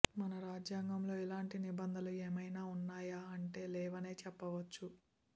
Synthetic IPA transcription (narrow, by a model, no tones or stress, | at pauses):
mɐnɐɾaːd͡ʒjaːŋɡɐmlo̞ːilaːɳʈinibɐnd̪ʱɐlueːmɐjnaːunːaːjaːɐɳʈe̞ːlɛːʋɐne̞ːt͡ʃɛpːɐʋɐt͡ʃːu